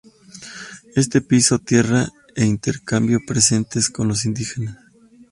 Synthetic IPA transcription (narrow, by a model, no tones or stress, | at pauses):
e̞st̪e̞piso̞t̪je̞ra | eint̪e̞ɾkambjo̞pɾese̞nt̪esko̞nlos̬ind̪ixe̞nas